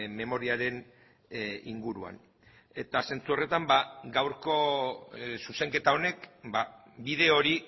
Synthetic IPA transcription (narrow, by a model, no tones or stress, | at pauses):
me̞mo̞ɾiaɾe̞n | ḭŋɡuɾua̰n | e̞t̪ase̞nt͡suo̞re̞t̪ambaɡawɾko̞ | suse̞ŋke̞t̪ao̞ne̞kba | bið̞e̞o̞ɾi